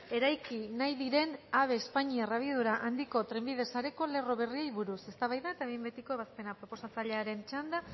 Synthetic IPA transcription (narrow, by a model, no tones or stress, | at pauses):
e̞ɾajkinajðiɾe̞naβ̞e̞ːspaɲiaraβiðuɾaʔand̪iko̞t̪ɾe̞mbiðe̞saɾe̞ko̞le̞ro̞β̞e̞riejβuɾuse̞st̪aβajðaet̪aβembe̞t̪iko̞e̞βaspe̞napɾo̞po̞sat͡saʎe̞aɾe̞nt͡ʃand̪a